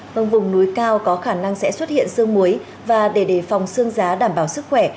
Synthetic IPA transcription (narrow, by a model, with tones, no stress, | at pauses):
və˧ŋvʊ˨˩ŋ͡mnu˨˦jkaː˧wkɔ˨˦xaː˧˩na˧ŋsɛ̰˧˥swə˦˥t̚hḭ˧˨ənsɨ˧əŋmu˨˦j | vaː˨˩ɗe˧˩ɗe˧˩fa˨˩wŋ͡msɨ˧əŋzaː˨˦ɗaː˧˩mɓaː˧˩wsɨ˦˥k̚xwɛ˧˩